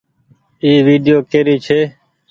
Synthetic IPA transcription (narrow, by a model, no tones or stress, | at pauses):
iːʋiːɖɪjoːkeːɾiːt͡ʃʰeː